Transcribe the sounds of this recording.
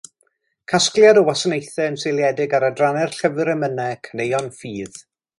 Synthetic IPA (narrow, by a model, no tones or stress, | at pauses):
kʰasklˠjadɔwasənejθɛənselˠjɛdɪɡaɾədranɛrɬəvɨɾəmənɛkʰənejɔnfiːð̥